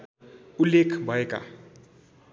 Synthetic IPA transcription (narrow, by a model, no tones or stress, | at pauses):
ulːekʰbʱʌeka̰